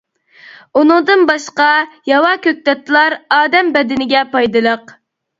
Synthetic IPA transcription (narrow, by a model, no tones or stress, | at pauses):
unɨŋd̪ɨnbɑʃqɑjɑwɑkʲøk̚t̪ɛt̪lˠɑɾɑːd̪ɛmbɛd̪ɪnɪɡʲɛpɑjd̪ɨlˠəq